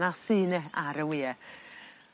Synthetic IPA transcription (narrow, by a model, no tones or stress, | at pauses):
asinɛaɾəwiɛ